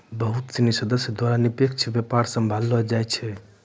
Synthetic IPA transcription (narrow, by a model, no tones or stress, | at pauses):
bəɦut̪t͡ʃinisəd̪əsjəd̪waɾanipekt͡ʃʰbjepaɾsəmbʱalːəd͡ʒajt͡ʃʰɛ